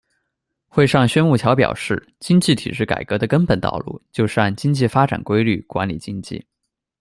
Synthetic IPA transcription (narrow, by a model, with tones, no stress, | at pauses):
xwe˥˧ɪʂɑ˥˧ŋɕɥɛ˥nmu˥˩t͡ɕʰjɑ˧˥ʊpjɑ̰˨˩ʊʂɻ̩˥˩ | t͡ɕi˥ŋt͡ɕi˥˩t̪ʰḭ˨˩ʂɻ̩˥˩ka̰˨˩ɪkɤ˧˥d̪ə˧kə˥npə˨˩nt̪ɑ̰˥˧ʊlṵ˥˩t͡ɕjo˥˧ʊʂa˥˩nt͡ɕi˥ŋt͡ɕi˥˩fa˥ʈ͡ʂa̰˨˩nkwe˥ɪly˥˩kwa˧˥nlḭ˨˩t͡ɕi˥ŋt͡ɕḭ˥˩